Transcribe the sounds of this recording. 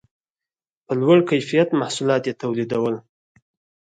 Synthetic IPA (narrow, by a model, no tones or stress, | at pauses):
pəlwaɽkajfijat̪mahsulɑt̪jet̪awlid̪awəl